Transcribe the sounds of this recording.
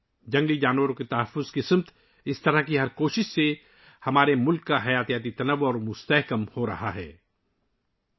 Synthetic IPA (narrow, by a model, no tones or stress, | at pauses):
d͡ʒɐ̃ŋɡid͡ʒaːnwəɾõket̪ɐɦəfːʊzkɪsəmt̪ | ɪst̪ɐɾəɦkiɦɐɾkoːʃɪʃse | hɐmaːɾemʊlkːaɦɐjaːt̪ijaːt̪it̪ɐnəʋʊɔːɾmʊst̪ɛɦkəmhoɾɐ̰haɦɛ̰ː